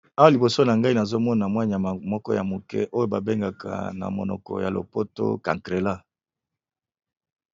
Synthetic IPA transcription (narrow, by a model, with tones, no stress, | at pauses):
a˦wa˦li˨bo˨so˦na˨ŋɡa˦i˦na˨zo˦mɔ˦na˨mwa˦ɲa˨mɔ˦kɔ˦ja˨mo˨kɛ̰˦ʔo˦jo˦ba˨be˦ŋɡa˨ka̰˨na̰˨mo˨nɔ̰˨kɔ̰˨ja˨lo̰˨po˦to̰˦ka̰˨ŋkʁe˨la˦